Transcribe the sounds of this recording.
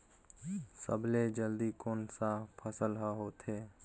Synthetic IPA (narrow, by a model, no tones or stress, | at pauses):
səbled͡ʒəld̪ikoːnsapʰəsəlɦaɦoːt̪ʰeː